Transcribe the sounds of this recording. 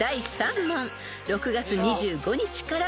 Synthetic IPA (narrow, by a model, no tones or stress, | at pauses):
aisãmmãɴ | ɾo̞kɯ̟ɡat͡sɨɲ̟iʑɨːɡo̞ɲ̟it͡ɕi̥kaɾa